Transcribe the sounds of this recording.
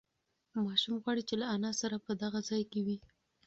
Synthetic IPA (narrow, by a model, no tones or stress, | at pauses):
mɑʃumɣwɑɽit͡ʃelaanɑsaɾapəd̪aɣazɑjkewi